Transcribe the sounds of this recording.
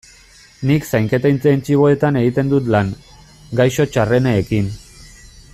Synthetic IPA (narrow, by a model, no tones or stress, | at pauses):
niksajŋke̞t̪ajnt͡seint͡ʃiβo̞e̞t̪ane̞ɣit̪e̞nd̪ut̪laŋ | ɡajʃo̞t͡ʃare̞neːkin